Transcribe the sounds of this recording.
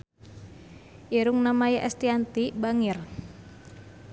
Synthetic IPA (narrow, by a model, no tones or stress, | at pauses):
ʔiɾuŋnamajaʔɛst̪iant̪ibaŋɪr